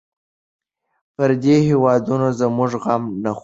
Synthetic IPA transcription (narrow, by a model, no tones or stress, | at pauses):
pəɾd̪ehewɑd̪unozəmʊʐɣamnax